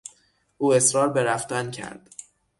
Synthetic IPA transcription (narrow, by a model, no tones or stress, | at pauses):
ʔuːe̞sɾɒːɾbe̞ɾæft̪æncʲʰæ̰ɾd̪̥